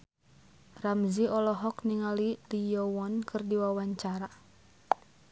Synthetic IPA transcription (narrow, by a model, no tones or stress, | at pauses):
ramziɔlɔɦɔkniŋalilijɔwɔnkʰɨrdiwawaɲt͡ʃaɾa